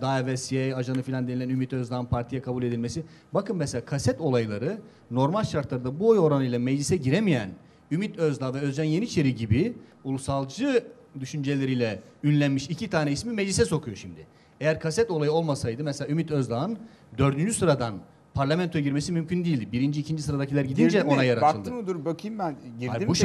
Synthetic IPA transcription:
d̪avɛsiejaʒanɯfilʲand̪enilʲænymit̪øzd̪ˠanpʰaɾt̪ʰijakʰabulʲe̞d̪ilʲmesi | bakɯnmɛselʲaːkʰasɛt̪o̞lˠajlˠaɾɯ | no̞ɾmalʲʃaɾt̪lˠaɾɯd̪abuojo̞ɾanɯjlˠamɛd͡ʒlʲisɛɟiɾemijæn | ymit̪ʰøzlˠaːvɛøzd͡ʒænje̞niːt͡ʃʰe̞ɾiɟibi | ulˠusalˠd͡ʒɯ | d̪yʃynd͡ʒe̞lʲe̞ɾijlʲɛ | ynlʲænmiʃicʰit̪ʰaːnɛismimɛd͡ʒlʲisɛso̞kʰujo̞ʃimd̪ɪ | ejæɾkʰasɛt̪olˠajɯo̞lˠmasajd̪ɯmɛselʲaymit̪ø̞zlˠaːn | d̪ø̞ɾd̪ynd͡ʒysɯɾad̪an | pʰaɾlʲamɛnt̪ʰoɟiɾmesimymcʰynd̪ijilʲd̪ibiɾind͡ʒiːcʰind͡ʒisɯɾad̪acʰilʲæɾɟid̪ind͡ʒɛo̞najaɾatɯlˠd̪ɯmud̪uɾbøkʰimbænɟiabuʃ

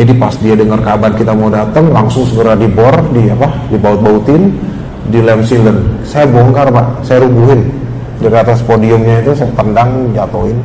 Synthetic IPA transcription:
d͡ʒadipasdiadəŋərkabankit̪amaudat̪əŋlaŋsʊŋsəɡəɾadibɔrdiapadibaʊt̪̚baut̪ɪn | dilɛmsilənsajabɔŋkarbaʔsajaɾubuɦɪn | daɾiat̪aspodiʊmɲait̪usajat̪əndaŋd͡ʒat̪oɪn

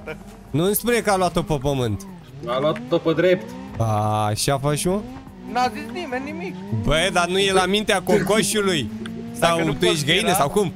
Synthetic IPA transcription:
nunspunekəalwat̪ːopəpəmɨnt̪ | aluat̪ːopəd̪ɾept̪aːʃafaʃu | nazisnimenːimikbəd̪anujelamint̪eakoŋkoʃuluj | sawt̪ujeʃt̪ɡəinəsawkum

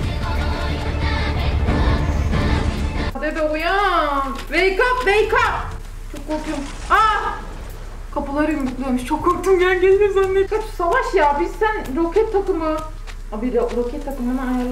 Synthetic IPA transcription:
ad̪ed̪ɛoja | vejkapvejkap̚ | t͡ʃʰokːoɾk̪jum | a | kʰapɯlˠaɾɯjond̪uklˠeɾmiʃt͡ʃʰokʰːoɾk̚t̪ʰumjænɟelʲmisanːekʰat͡ʃsavaʃjabizsænɾokʰɛt̪ʰːakɯmɯ | abiɾɾokʰɛt̪ʰːakɯmɯnɯajaɾlˠ

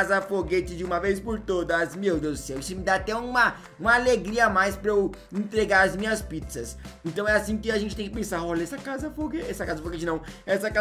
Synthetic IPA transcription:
zɐfoɡet͡ʃɪd͡ʒɪũmɐvejspoɾt̪od̪ɐzmewd̪ewʊsɛwẽst͡ʃɪmɪd̪aat̪ɛũmɐ | ũmɐaleɡɾiɐmajspɾɐew | ẽnt̪ɾeɡaɾɐzmĩɲɐspit̪sɐsẽnt̪ɐ̃w̃ɛasĩkɪaʒẽnt͡ʃɪt̪ẽj̃kɪpẽsaɔʎɐɛsɐkazɐfoɡeɛsɐkazɐfoɡet͡ʃɪnɐ̃w̃ɛsɐka

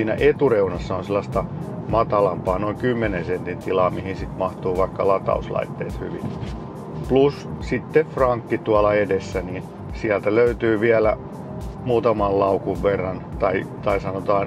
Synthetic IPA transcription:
iːnæ̰ʔet̪ureunɑsːɑonselːɑst̪ɑ | mɑt̪ɑlɑmpɑːnoiŋkymːenensent̪int̪ilɑːmihinsit̪mɑht̪uːʋɑikːɑlɑt̪ɑ̰uslɑ̰it̪ːḛːt̪hy̰ʋḭn | plussit̪ːefrɑŋkːit̪uɑlɑedesːænin | siælt̪æløyt̪yːʋiælæ | muːt̪ɑmɑllɑukuʋʋerːɑnt̪ɑit̪ɑisɑnot̪ɑːn

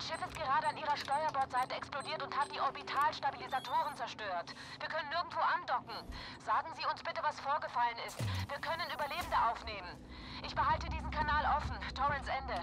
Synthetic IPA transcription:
ʃɪfɪstɡ̥əʁaːɾəaniːʁɐʃtɔʏɐbɔɐtz̥aɪtəɛksplodiːɐtʊnthatd̥iːʔɔɐbitʰaːlʃtabilizatʰoːʁənt͡sɛɐʃtøːɐt | v̥iːɐkʰœnənːɪɐɡŋ̩tv̥oːʔandɔkŋ̩ | z̥aːɡŋ̩ziːʊnsb̥ɪtəvasfoːɐɡəfalənɪstviːɐkʰœnənʔyːbɐleːbm̩dəʔaʊfneːmən | ʔɪçb̥əhaltədiːzn̩kʰanaːlʔɔfn̩tʰɔʁɛnsʔɛndə

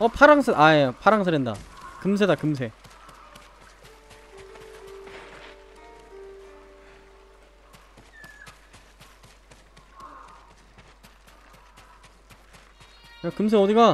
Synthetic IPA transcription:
ʌpʰaɾaŋsʰɯʔaepʰaɾaŋs̬ʰɯɾenda̰kɯms̬ʰedakɯmsʰe̞ | akɯms̬ʰeʌdiɡa

